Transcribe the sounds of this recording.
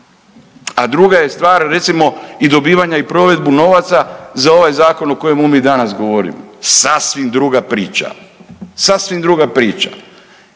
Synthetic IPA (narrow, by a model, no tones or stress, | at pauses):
ad̪ɾuɡaje̞st̪ʋaːɾɾe̞t̪simo̞id̪o̞biːʋaɲaipɾo̞ʋe̞d̪buno̞ʋat̪sazao̞ʋajzaːko̞noko̞jemumid̪anasɡoʋoɾḭmo̰sasʋimd̪ɾuɡapɾiːt͡ʃa̰sasʋimd̪ɾuːɡapɾiːt͡ʃa̰